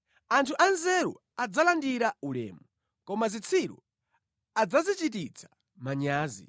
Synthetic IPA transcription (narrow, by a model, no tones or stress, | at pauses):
antʰuʔanzɛɾṵ | ad͡zalandiɾaulɛ̰ːmu | kɔmazit͡sʰiɾṵ | ad͡zazit͡ʃit̬it͡sʰḁ | maɲaːzḭ